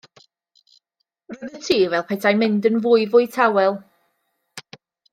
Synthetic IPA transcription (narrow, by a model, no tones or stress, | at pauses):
roðətʰiːvɛlˠpʰɛtʰajmɪndənvʊːɨvʊɨtʰawɛlˠ